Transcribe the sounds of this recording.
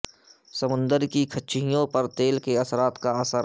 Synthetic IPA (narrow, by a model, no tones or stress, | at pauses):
səmʊ̃nd̪əɾkikʰɐtːʃʰɪjõpɐɾt̪eːlkeɐsɾaːt̪kaɐsəɾ